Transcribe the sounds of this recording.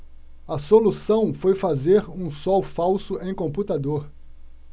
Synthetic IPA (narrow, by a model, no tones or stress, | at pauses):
ɐsolusɐ̃w̃fojfazeɾũsɔwfawsʊʔẽj̃kõmput̪ad̪oɾ